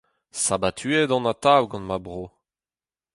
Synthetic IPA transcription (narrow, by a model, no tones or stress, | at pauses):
sabat̪ʰyedɑ̃natawɡɑ̃nmabʁo